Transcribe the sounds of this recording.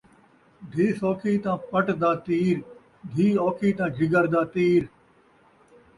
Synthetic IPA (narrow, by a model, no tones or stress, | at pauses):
d̪ʱiːsoːkʰiːt̪ãːpəʈd̪aːt̪iːɾ | d̪ʱiːoːkʰiːt̪ãːd͡ʒʱɪɡəɾd̪aːt̪iːɾ